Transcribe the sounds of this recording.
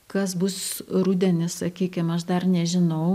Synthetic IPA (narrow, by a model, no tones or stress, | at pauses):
kɐsbʊsɾʊd̪ʲɛnʲɪssɐkʲiːkʲɪmɐʃd̪ɐrnʲɛʒʲɪnɐʊ